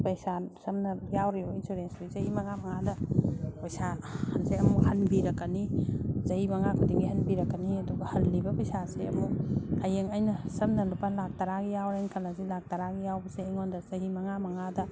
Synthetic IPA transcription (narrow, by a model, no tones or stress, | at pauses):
pɐjsasɐmnɐjawɾeɔinsoɾensojzɐhimɐŋamɐŋadɐpɐjsahɐnzeɐmuhɐnbiɾɐkːanizɐhimɐŋakʰudiɡihɐnbiɾɐkːaniɐduɡɐhɐlːibɐpɐjsaseɐ̰muajeŋɐjnɐsɐmnɐlupanlak̚taɾaɡijawɾeŋkʰalazilak̚taɾaɡijawbɐseːŋondɐzɐɦimɐŋamɐŋadɐ